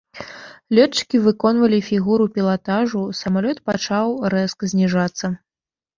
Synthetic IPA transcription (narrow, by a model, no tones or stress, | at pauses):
lʲɔt͡ʂɨ̥kʲivɨkɔn̪vɐlʲifʲiɣuɾupʲilˠat̪aʐusɐmalʲɔt̪pat͡ʂawrɛskzʲnʲiʐat̪sːɐ